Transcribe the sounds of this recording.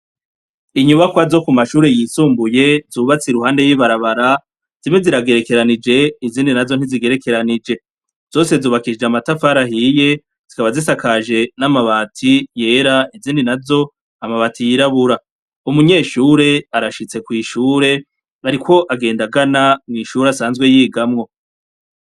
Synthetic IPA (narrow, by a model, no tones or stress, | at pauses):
iɲuβakwazo̞kumaʃuːɾe̞jiːsuːmbuje̞zuːβat͡siɾuɦaːnde̞jiβaɾaβaɾa | z̥imweziɾaɡe̞ɾe̞ke̞ɾanid͡ʒe̞iziːndinazo̞n̥iziɡe̞ɾe̞ke̞ɾanid͡ʒe̞ | z̥o̞ːse̞zuːβakid͡ʒeamatafaɾahije̞ | z̥ikaβazisakaʒe̞namaβaːtʰije̞ːɾaiziːndinazo̞ | amaβatʰijiɾaβuɾa | umuɲe̞ːʃuːɾe̞aɾaʃit͡se̞kwiːʃuːɾe̞ | aɾiko̞ʔaɡe̞ːndaɡanamŋiːʃuːɾasaːnzɡwe̞jiːɡamŋo̞